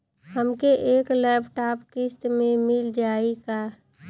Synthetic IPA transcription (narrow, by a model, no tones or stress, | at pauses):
həmkeʔeːklɛːbʈaːpkɪst̪mẽmɪld͡ʒaːikaː